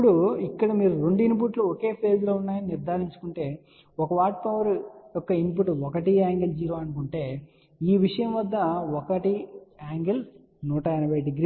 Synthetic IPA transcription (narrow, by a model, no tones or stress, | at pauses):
ɐpːuɽuikːɐɽɐmiːɾuɾoɳɖuinp̬uʈloɔke̞ːpʰeːd͡ʒloːunːaːjɐniniɾd̪ʱaːɾiɲt͡ʃu̥kuɳʈe̞ː | ɔkɐʋaːʈ̚pɐʋɐɾujɔkːɐinpuʈuɔkɐʈiaːŋɡɐld͡ʒiːɾoːɐnukuɳʈe̞ː | iːʋiʂɐjɐmʋɐd̪ːɐɔkɐʈiaːŋɡɐl | nuːʈɐjinɐbʱɐjɖiɡɾiː